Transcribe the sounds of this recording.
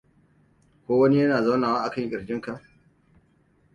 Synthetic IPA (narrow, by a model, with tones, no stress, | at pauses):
kʷoː˦wɐ˦ni˦jɐ˦naː˨za˦wnaː˨waː˦ʔa˨kɐ˦˨ŋkʲʼɪ˨ɽɡʲɪ˦ŋka˨ʔ